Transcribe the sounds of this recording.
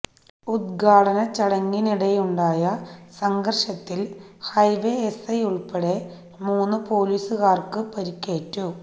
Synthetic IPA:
ud̪ɡʱaːɽɐnɐt͡ɕɐɽɐŋːiniɽɐjuɳɖaːjɐsɐŋɡɐrɕɐt̪ːilhɐjʋeesɐjuɭpeɽe̞ | muːnːɨpo̞ːliːsɨɣaːrkɨpɐɾikʲːe̞ːtːu

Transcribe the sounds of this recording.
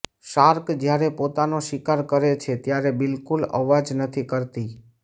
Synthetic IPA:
ʃaɾkd͡ʒjaɾepot̪anoʃɪkaɾkəɾet͡ʃʰet̪jaɾebɪlkulə̰ʋad͡ʒnət̪ʰikəɾt̪i

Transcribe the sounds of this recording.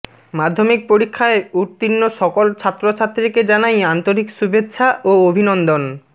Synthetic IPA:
mad̪ʱːomik̚poɾikʰːaeuɾt̪inːoʃɔkolt͡ɕʰat̪ːɾot͡ɕʰat̪ːɾiked͡ʑanajant̪oɾikʃubetːɕʰaʔoobʱinond̪on

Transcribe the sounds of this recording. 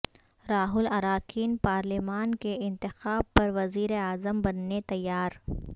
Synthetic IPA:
ɾaːɦʊlɐɾaːkʰiːnpaːɾlimaːnkeɪ̃nt̪ɪxaːb̚pɐɾʋɐziːɾeaːzəmbɐnːet̪ɐjːaːɾ

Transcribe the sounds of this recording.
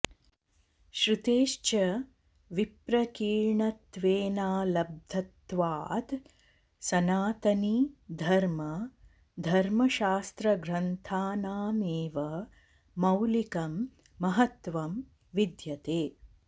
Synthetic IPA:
ʃɾit̪eːʃt͡ʃɐ | ʋipɾɐkiːɻɳɐt̪ʋeːnaːlɐb̚d̪ʱɐt̪ʋaːd̪ | sɐnaːt̪ɐnid̪ʱɐɾmɐ | d̪ʱɐɾmɐʃaːst̪ɾɐɡɾɐnt̪ʰaːnaːmeːʋɐ | mɐwlikɐmː | ɐɦɐt̪ʋɐm | ʋid̪jɐt̪eː

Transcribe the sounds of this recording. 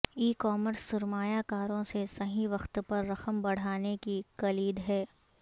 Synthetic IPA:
iːkɔːməɾsːʊɾmaːjakaːɾõsesɐɦĩʋɐxt̪pɐɾːɐxəmbɐɽ̤aːnekikɐliːd̪ɦɛː

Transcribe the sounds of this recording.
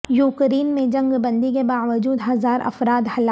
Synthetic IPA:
juːkɾiːnmẽd͡ʒɐ̃ŋɡbɐ̃nd̪ikebaːʋəd͡ʒuːd̪ɦɐzaːɾɐ̰fɾaːd̪hɐla

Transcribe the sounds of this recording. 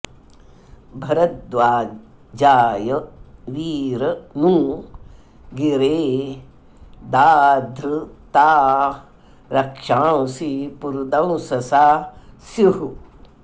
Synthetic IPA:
bʱɐɾɐt̪̚d̪ʋaː | d͡ʒaːjɐʋiːɾɐnũː | ɡiɾeː | d̪aːd̪ʱɾɨt̪aː | ɾɐkʂãːsipuɾd̪ɐmũsɐsaːsiɦu

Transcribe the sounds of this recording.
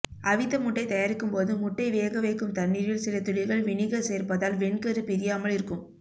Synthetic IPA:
ɐʋɪt̪ːɐmʊʈːɐɪt̪ɐjaːɾɪkːɯmpoːðɯmʊʈːɐɪʋeːɣɐʋɐɪkːɯmt̪ɐnːiːɾjɪlsɪlɐt̪ʊɻɪlɣɐɭʋɪɳɪɣɐseːrpɐðaːlʋɛɳkɐɾɯpɪɾɪjaːmɐlɪɾɯkːɯm

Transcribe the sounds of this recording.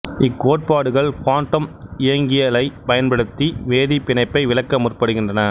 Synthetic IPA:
ɪkːoːʈ̚paːɽɯɣɐɭkaːɳʈːɐmɪjɐŋɡɪjɐlɐɪpɐjɐnpɐɽɯt̪ːiʋeːðipːɪnɐɪpːɐɪʋɪlɐkːɐmʊrpɐɽɯɣɪndrɐnɐ

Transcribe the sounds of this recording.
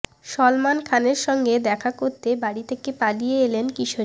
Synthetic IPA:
ʃɔlmankʰaneɾʃɔŋɡed̪ɛkʰakoɾt̪ebaɽit̪ʰekepalijeelenkiʃo

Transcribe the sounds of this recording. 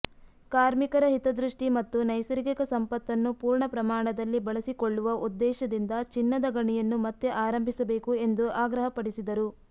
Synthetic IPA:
kaːɾmikɐɾɐɦit̪ɐd̪ɾuʂʈimɐt̪ːunɐjsɐɾikikɐsɐmpɐt̪ːɐnːupuːɾɳɐpɾɐmaːɳɐd̪ɐlːibɐɭɐsikoɭːuʋɐʔud̪ːɛːʃɐd̪ind̪ɐt͡ʃinːɐd̪ɐɡɐɳijɐnːumɐt̪ːeʔaːɾɐmbʱisɐbe̞ːkue̞nd̪uʔaːɡɾɐɦɐpɐɽisid̪ɐɾu

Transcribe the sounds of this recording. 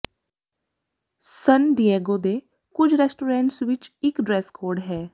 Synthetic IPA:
sənɖieːɡoːd̪e | kʊd͡ʒʰʱɾɛːsʈuːɾɛ̃ːɳʈsʋɪt͡ʃɪkɖɾɛːskʰoːɾɖɦɛː

